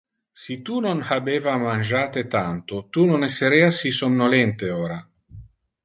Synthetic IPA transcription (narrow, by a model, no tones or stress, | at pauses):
sit̪unonhabeːvamand͡ʒaːt̪et̪ant̪ot̪unonɛsːeɾeasisomnolɛnt̪eoːɾa